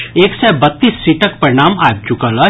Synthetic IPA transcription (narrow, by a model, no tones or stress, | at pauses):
eːksɛbɐt̪ːiːsːiːʈək̚pɐɾɪɽ̃aːmaːb̚t͡ʃʊkəla